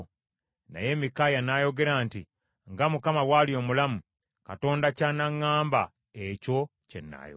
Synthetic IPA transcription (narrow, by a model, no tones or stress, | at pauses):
na̰je̞mikaːjanaːjo̞ɡe̞ɾaːnti | ŋɡamukamawalijo̞ːmulamu | kato̞ːndacaːnaŋːaːmba | eco̞cḛnːa̰ːjo